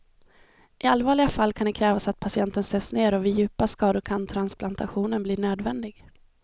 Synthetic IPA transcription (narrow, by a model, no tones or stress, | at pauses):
ʔɪalvɑːɭɪɡafalːkʰand̪ɛkʰɾɛːvasat̪̚pʰasɪɛnt̪ənsøːsneːɾɔvɪjʉ̟ːpaskɑːd̪ʊɾkʰant̪ʰɾansplant̪aɧuːnənbliːɳøːd̪vɛnd̪ɪɡ